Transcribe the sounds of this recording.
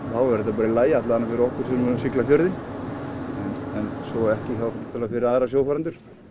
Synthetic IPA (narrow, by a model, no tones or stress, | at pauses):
θawɛɾɛt̪apaːɾɪlaːjaat̪laanːafɪɾɔhkʏɾ̥sɛmʏsɪklafjœɾðɪn | ɛnɛnsɔɛhcɪçawt̪ʰɪlafɪɾɪɾaːðɾasjoːwfaɾant̪ʏɾ̥